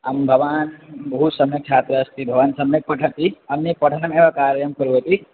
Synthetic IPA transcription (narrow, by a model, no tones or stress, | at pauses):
ambʱɐʋaːnbɐɦusɐmjɐk̚t͡ʃʰaːt̪ɾɐːst̪ibʱɐʋaːnsɐmjek̚pɐʈʰɐt̪iɐmnipɐʈʰənɐmeʋakaːɾjɐmkɐɾuɦɐt̪i